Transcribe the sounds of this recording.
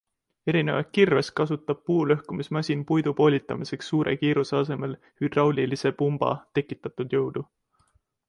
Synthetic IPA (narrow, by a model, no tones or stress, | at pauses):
e̞ɾine̞vɑ̰t̪̚kirves̚kɑsut̪ːˑɑb̥̚puːlø̞hkumismɑsʲinpujd̪̥upo̞ːlʲit̪ːˑɑmise̞ksːuːɾe̞̰kiːɾuseɑs̬e̞me̞l | hyd̪̥rɑwlʲilise̞pumb̥ɑ̰t̪e̞kːˑit̪ːˑɑt̪ˑud̪̥jɤwd̪̥u